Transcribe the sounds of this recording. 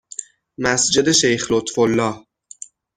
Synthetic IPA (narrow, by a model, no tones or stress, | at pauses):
mæsd͡ʒe̞d̪e̞ʃe̞jxlot̪folːɒːh